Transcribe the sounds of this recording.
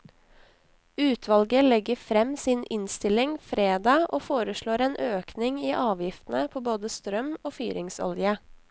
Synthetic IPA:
ʉːt̪ʰʋɑlɡəlɛɡəfɾɛmsiːnʔɪnst̪ɪlɪŋfɾeːd̪ɑːʔoːfoːɾəʃɭoːɾeːnʔøːknɪŋiːʔɑːʋjɪft̪n̩əpʰoːboːd̪əst̪ɾœmoːfy̰ːɾɪŋsɔ̰ljə

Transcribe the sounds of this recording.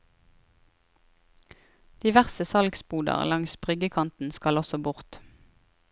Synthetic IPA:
d̪̥iːʋæʁsəsɑlɡspuːd̪ɑ̰ʁlɑŋsbʁʏɡəkʰɑnt̪n̩skɑlɔsɔbʊʁt̪

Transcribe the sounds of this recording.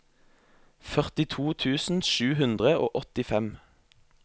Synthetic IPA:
fœʁt̪ɪt̪ʰuːt̪ʰʉːsn̩ʃʉːhʉnd̪ʁəo̰ːʔɔt̪ɪfɛm

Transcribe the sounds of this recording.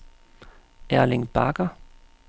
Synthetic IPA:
æɐleŋb̥ɑɡ̥ɐ

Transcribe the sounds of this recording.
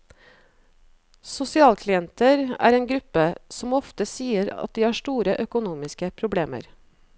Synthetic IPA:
sʊsɪɑːlkʰlɪɛnt̪əɾæ̰ːɾeːnɡɾʉpəsɔmɔft̪əsiːəɾɑ̰t̪̚d̪iːhɑːʃʈuːɾəʔœkʊnuːmɪskəpʰɾʊbɽeːmə̰ɾ

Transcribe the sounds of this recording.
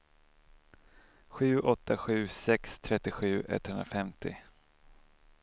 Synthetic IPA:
ɧʉ̟ːʔɔt̪ːaɧʉ̟ːsɛkst̪ʰɾɛt̪ːɪɧʉ̟ːʔɛ̰t̪hɵnɾafɛmt̪ʰɪ̰

